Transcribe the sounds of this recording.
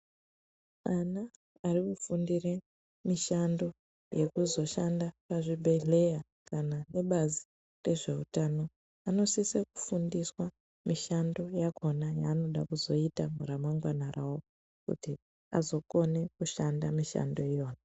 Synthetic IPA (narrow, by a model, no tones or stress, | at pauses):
anaː | rikufundire | miʃando̞ | je̞kuzo̞ʃandapaʐiɓʱe̞ɮe̞ja | kanane̞ɓazi | re̞ʐe̞utano̞ | ano̞siseku̥fundiswa | miʃando̞jakʰo̞najaːno̞ɗakuzo̞itamuɾamaŋɡwanarawo | kṵti | a̰zo̞ko̞ne̞kuʃandamiʃa̰ndo̞ijo̞ːna